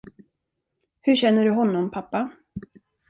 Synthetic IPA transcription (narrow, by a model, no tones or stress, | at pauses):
hɵɕɛnːəɖɵɦɔnːɔmpʰapːa